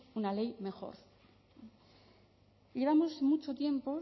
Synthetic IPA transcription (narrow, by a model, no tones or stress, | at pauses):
unale̞jme̞xo̞̰ɾ | ʎe̞βamosmut͡ʃo̞t̪je̞mpo̞